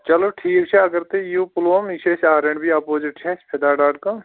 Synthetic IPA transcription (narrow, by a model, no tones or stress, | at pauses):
t͡ʃɐloːʈʰiːkt͡ʃʰɛɐɡəɾt̪ejuːpʊloːmiʃʰesaːɾẽɳɖbiapoːd͡ʒɪʈt͡ʃʰɛspʰed̪aːɖaːʈkɐm